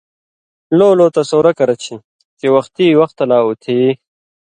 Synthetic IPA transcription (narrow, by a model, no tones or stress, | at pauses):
loːloːt̪ɐsoːɾɐkɐɾɐt͡ɕʰi | kewɐxt̪iwɐxt̪ɐlaːut̪ʰiː